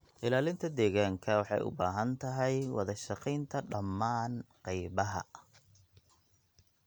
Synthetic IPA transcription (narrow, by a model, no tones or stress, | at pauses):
ʔɪlaːlɪnt̪ʰɐd̪ɛːɣaːŋkʰɐwɑħɑ̰jʔʊ̰baːɦɐnt̪ʰɐɦɛjwɑ̰ðɐʃɑqijnt̪ʰɐɖɐmːaːnqɛjβɐɦɐ̰